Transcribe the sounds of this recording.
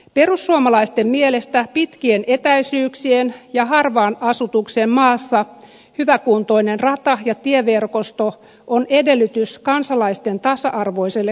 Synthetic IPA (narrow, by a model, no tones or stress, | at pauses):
pe̞rusːuomɑlɑist̪emmiele̞st̪æpit̪kienʔet̪æjsyːksienjɑɦɑrʋɑːnɑsut̪uksemmɑːsːɑ | hyʋækuːnt̪o̞inenrɑt̪ɑjɑt̪ieʋe̞rko̞st̪o | ʔonede̞lːyt̪yskɑnsɑlɑist̪e̞nt̪ɑsɑʔɑrʋoiselːe